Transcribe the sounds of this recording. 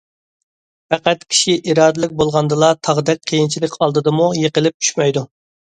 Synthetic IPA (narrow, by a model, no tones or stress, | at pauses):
pæqæt̪kʲʰi̥ʃiʔiɾɑːd̪ɪlɪk̚ʲbolˠʁɑnd̪ɨlˠɑt̪ʰɑʁd̪ɛk̚ʲqʰejint͡ʃʰilɪkʲɑlˠd̪ɨd̪ɨmujeqəlɪp̚t͡ʃʰy̥ʃmɛjd̪u